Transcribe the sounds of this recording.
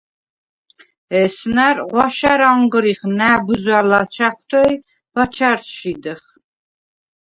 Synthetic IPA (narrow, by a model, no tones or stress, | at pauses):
ɛsnæɾʁʷɑʃaɾɑɴɡəɾiχnæbuzælat͡ʃʰaχʷt̪ʰɔj | b̥ɑt͡ʃʰaɾʃid̪ɨχ